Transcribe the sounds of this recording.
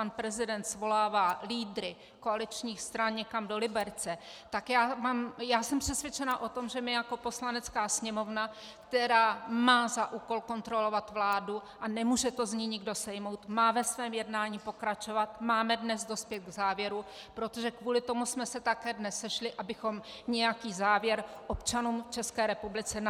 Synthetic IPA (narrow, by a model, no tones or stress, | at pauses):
panpɾɛzɪdɛnt̪svo̞laːvaːliːdɾɪ | ko̞alɪt͡ʃɲiːxst̪ɾanɲɛkamdo̞lɪbɛɾt͡sɛt̪akjaːmaːmjaːsɛmpr̥ɛsvjɛt͡ʃɛnaʔo̞t̪o̞mʒɛmɪjako̞po̞slanɛt͡skaːsɲɛmo̞vna | kt̪ɛɾaːmaːzaʔuːko̞lko̞nt̪ɾo̞lo̞vat̪vlaːduʔanɛmuːʒɛt̪o̞zɲiːɲɪɡdo̞sɛjmo̞wt̪maːvɛsvɛːmjɛdnaːɲiːpo̞kɾat͡ʃo̞vat̪maːmɛdnɛzdo̞spjɛt̪̚ɡzaːvjɛɾupɾo̞t̪o̞ʒɛkvuːlɪt̪o̞musmɛsɛt̪akɛːdnɛsːɛʃlɪʔabɪxo̞mɲɛjakiːzaːvjɛɾʔo̞pt͡ʃanuːmft͡ʃɛskɛːɾɛpublɪt͡sɛn